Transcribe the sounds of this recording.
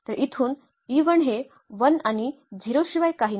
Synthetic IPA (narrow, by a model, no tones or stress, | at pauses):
t̪əɾʔit̪ʰuːn | iʋəɳɦe | ʋənani | d͡ʑʱiɾoɕiʋajkaɦiː